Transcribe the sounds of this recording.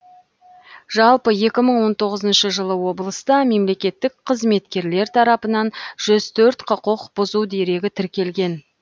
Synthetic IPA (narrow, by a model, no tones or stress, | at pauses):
ʒɑlˠpəje̞kʲɪməɴwo̞nt̪ʰo̞ʁəzənʃəʒəlˠəwo̞bəlˠəst̪ɑme̞mle̞kʲe̞t̪ːɪkqʰəzme̞t̪kʲe̞ɾle̞ɾt̪ʰɑɾɑpənɑnʒ̥ʏzt̪ʰɵɾt̪qʰəqoqbʊzuwd̪e̞ɾe̞ɡʲɪt̪ʰɪɾkʲe̞lɡʲe̞n